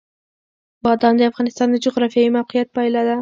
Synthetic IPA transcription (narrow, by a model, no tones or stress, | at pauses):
bd̪ɑmd̪aafʁɑnɪst̪ɒnd̪ad͡ʒoʁɾɑfijajimawqʰɪjat̪̚pajlad̪ɪ